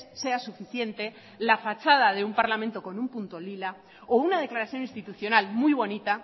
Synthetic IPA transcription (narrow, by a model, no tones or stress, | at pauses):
sse̞asufiθje̞nt̪e̞ | lafat͡ʃað̞aðe̞umpaɾlamẽnt̪o̞ko̞numpunt̪o̞lila | ounað̞e̞klaɾaθjo̞ninst̪it̪uθjo̞nalmujβ̞o̞nit̪a